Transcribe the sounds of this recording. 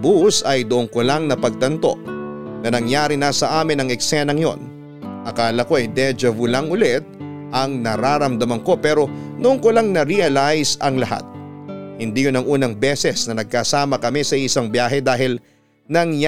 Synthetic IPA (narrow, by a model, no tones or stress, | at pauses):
busɐjd̪ʊʔoŋkolaŋnɐpɐɡ̚t̪ɐnt̪o̞̰ʔnɐnɐŋjaːɾinɐsɐʔaːmɪnɐŋɛksɛnɐŋjo̞̰n | ʔɐkaːlɐko̞ɐjd̪ɛd͡ʒɐvʊlaŋʔʊlɛt̪̚ | ʔɐŋnɐɾaːɾɐmd̪ɐmɐŋko̞pɛːɾo̞nʊʔoŋkolaŋnɐɾiɐlajsɐŋlɐha̰t̪̚hɪnd̪iːjʊnɐŋʔuːnɐŋbɛsɛsnɐnɐɡ̚kɐsaːmɐkɐmisɐɪsɐŋbjaːɦɛd̪aːɦɪl | nɐŋj